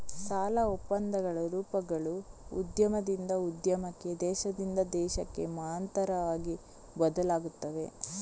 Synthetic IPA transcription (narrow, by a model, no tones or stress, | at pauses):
saːlɐɔpːɐnd̪ɐɡɐɭɐɾuːpɐɡɐɭuṵd̪jɐmɐd̪ind̪ɐud̪jɐmɐkːe̞d̪ɛːʃɐd̪ind̪ɐd̪ɛːʃɐkːe̞̰maːnt̪ɐɾɐʋaːɡi | bɐd̪ɐlaːɡut̪ːɐʋe̞̰